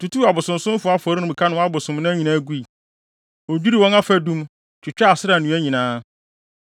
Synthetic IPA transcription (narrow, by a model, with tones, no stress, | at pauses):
tʰu˨tu˦a˨bʊ˨sʊ̃˨m˨sʊ̃˦m˦fʊ˨˦a˦fɔ˨˦ɾi˦nʊ̃˦m˨kʰa˦nʊ̃˨wa˦bʊ˨sʊ̃˨mnʊ̃˦ɲĩ˨nã˦ɡu˦i˨ | o˨d͡ʑᶣi˦ɾi˦˨wɔ̃˦na˦fæ˦dũ˦m | t͡ɕʰᶣɪ˨t͡ɕᶣa˦a˨sɪ˦a˨nũ˨˦æ˦ɲĩ˨nãː˦